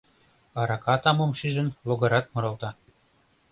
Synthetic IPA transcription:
ɑɾɑkɑt̪ɑmomʃiʒə̆nloɣɤ̆ɾɑt̪mŏɾŏlˠt̪ɑ

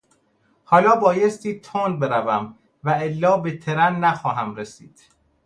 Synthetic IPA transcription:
hɒːlɒːbɒːjest̪iːt̪ʰonbe̞ɾævæm | væelːɒːbet̪ʰeɾænːæxɒːɦæmɾesḭːd̪̥

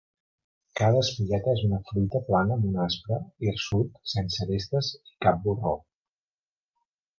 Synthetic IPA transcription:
kaðəːspiʎɛt̪əezunəfɾujt̪əplanəːmunaspɾəirsut̪sensəβest̪əzikap̚buro

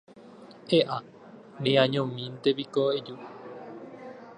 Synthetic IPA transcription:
eʔa | nẽãɲõmĩnt̪epikoed͡ʒu

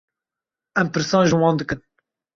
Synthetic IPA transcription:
ɛmpɨɾsɑ̃ːnʒɨwɑ̃ːnd̪ɨkɨn

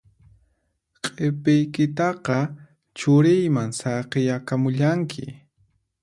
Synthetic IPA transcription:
qʼepɪjkɪt̪ɑqɑ | t͡ʃʊɾɪjmaŋsɑqejakamʊʎaŋkʰɪ̰

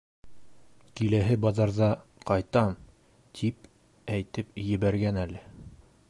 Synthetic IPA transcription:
kilæɦɘbɑzɑɾðɑqɑjt̪ɑm | t̪ʰip | æjt̪ɘpjɘ̆βæɾɡænælɘ

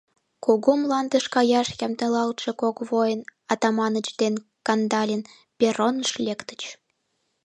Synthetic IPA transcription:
kuɣumlɑnd̪ə̆ʃkɑjɑʃjɑmt̪elɑlt̪ʃĕkokβojənɑt̪ɑmɑnə̆t͡ɕd̪enkɑnd̪ɑlʲen | pʲeronəʃlʲekt̪ə̥̆t͡ɕ

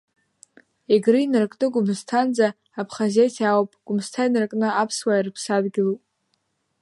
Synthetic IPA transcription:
eɡrɨinɨrkʼnɨɡʷʊmstʰand͡zaː | pʰχazejtʰawopʼɡ̥ʊmstʰainɨrkʼnɨapʰswairpʰsadɡʲɪlupʼ

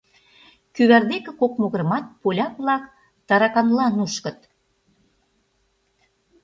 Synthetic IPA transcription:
kyβærd̪ekĕkok̚moɣə̆ɾə̆mɑt̪̚polʲɑplɑk | t̪ɑɾɑkɑnlɑnuʃkə̆t̪̚

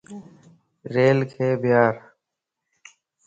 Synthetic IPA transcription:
ɾeːlkʰeːbʱɪjaːɾ

